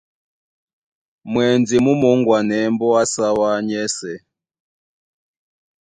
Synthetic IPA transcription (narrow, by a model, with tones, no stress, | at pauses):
mwɛ˨nd͡zi˨mu˦mɔ˨˦ŋɡwa˨nɛ˨˦mbɔ˦a˦sa˦wa˦ɲɛ˦sɛ˨